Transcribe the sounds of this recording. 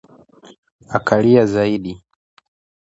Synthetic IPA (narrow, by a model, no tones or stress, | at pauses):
akʰaliazaiɗi